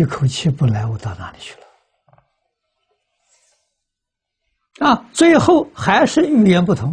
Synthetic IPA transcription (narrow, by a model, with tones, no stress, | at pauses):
i˥˩kʰo˨˩ʊt͡ɕʰɛ˥˧pu˥˩la˧˥ɪwɔ˨˧˩t̪ɑ˥˩ʊna̰˧˥li˨˩t͡ɕʰy̥˥˩lə̥˨ | ɐ˧t͡swe˥˧ɪxo˥˩ʊxa˧˥ɪʂɻ̩˥˧y˥˩jɛ˧˥npu˥˩t̪ʰʊ˧˥ŋ